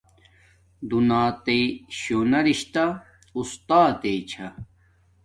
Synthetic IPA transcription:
d̪unaːt̪eiɕonɐɾiɕt̪a | ust̪aːt̪et͡ɕʰɐ

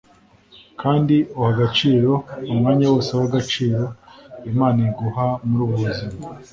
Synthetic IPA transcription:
kʰaːndiuwaɡat͡ʃiːɾo̞umŋaːɲawosewaɡat͡ʃiːɾo̞imaːniɡuhamuɾuːβuβuzima

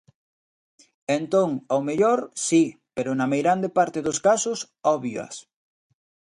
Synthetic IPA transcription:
ent̪oŋawmeʎoɾsipeɾʊnɐmejɾand̪epaɾt̪eðoskasʊs | ɔβjɐ̰s

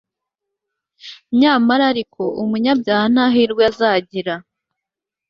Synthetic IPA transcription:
ɲaːmaɾaɾikʰo̞ʔumuɲabjaːhnaɦiɾɡweazaːɟiɾa

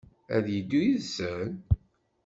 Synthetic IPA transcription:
æ̰ðjid̪ːujiðsən

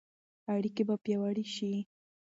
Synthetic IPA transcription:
aɽikebapjawaɽiʃi

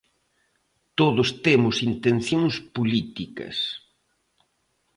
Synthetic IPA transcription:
t̪oðʊst̪emʊsint̪enθjoŋspolit̪ikɐ̰s

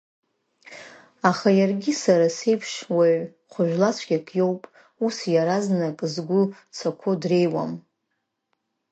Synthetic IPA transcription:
aχajarɡʲisaɾase̞jpʰʂwaɥ | χʷʊʒᶣlat͡sʷʰɡʲakʼʰjo̞wpʼ | usjaɾaznakʼzɡʷʊ | t͡sʰakʷʰʊdre̞jwa̰m

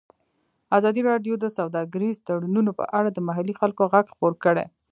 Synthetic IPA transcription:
azɑd̪iɾɑɖjod̪əsawd̪ɑɡəɾizt̪aɽununopə̰ʔaɽad̪əmaɦalixalkoɣaɡxpoɾkəɽḛ

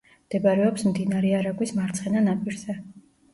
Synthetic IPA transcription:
md̪̥ɛbaɾɛɔpsmd̪inaɾɛaɾaɡwismaɾt̪sʰχɛnanapʼiɾz̥ɛ

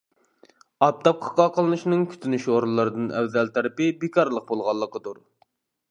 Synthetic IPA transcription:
ɑp̚t̪ʰɑp̚qʰɑ̥qɑqʰəlˠɨnɨʃinɨŋkʲʰy̥t̪ʰynyʃoɾulˠːɨɾɨd̪ɨnɛwzɛlt̪ʰɑɾɨpɪbekʰɑɾlˠəq̚bolˠʁɑlˠːəqəd̪uɾ

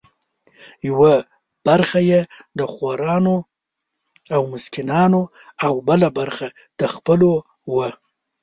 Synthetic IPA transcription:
jawa | b̥aɾxajed̪əxwaɾɑno | awmʊskɪnɑno | awbəlabaɾxa | d̪̥əxpəlo | wə

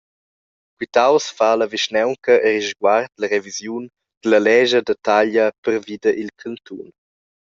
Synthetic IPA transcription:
kwit̪awsfaːləviʃnɛwŋkəʔɛɾiʒɡwart̪lɐɾevizjun | d̪̥əlɐlɛʒədətaʎəpəɾvid̪əʔilkʰənt̪ʰun

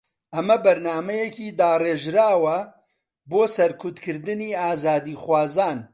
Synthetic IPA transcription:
ʔɐmɐbɐɾnaːmɐjɛkiːd̪aːreːʒɾaːwɐ | boːsɐɾkʰʊt̪kʰɨɾd̪ɨniːaːzaːd̪iːxwaːzaːn

